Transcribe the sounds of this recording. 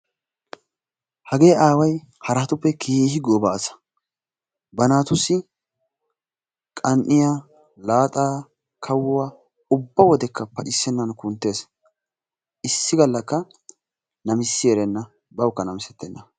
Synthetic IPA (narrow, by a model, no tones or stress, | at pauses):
hɐɡe̞ːaːwɐj | hɐɾat̪ʊpːɛkʰiːhɪɡɔːbasɐ̥ | bɐnaːt̪ʊsːɪ | kʼɐnʔɪja | laːt̪ʼaː | kʰɐwʊwa | ʊbːɐwɔd̪ɛkːɐpɐʔɪsːɛnːɐnkʊnt̪ːeːs | ʔɪsːɪɡɐlːɐkːɐ | nɐmɪsːɪjɛɾɛnːɐ | bɐwkːɐnɐmɪsɛt̪ːɛnːɐ